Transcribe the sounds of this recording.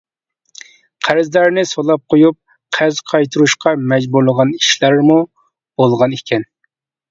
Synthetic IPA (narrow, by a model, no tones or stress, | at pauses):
qʰæɾzlæɾnɪsolˠɑp̚qʰojup̚ | qʰæɾzqʰɑjt̪ʰuɾuʃqʰɑmɛd͡ʒbuɾlˠəʁɑniʃlæɾmu | b̥olˠʁɑnekʲʰɛn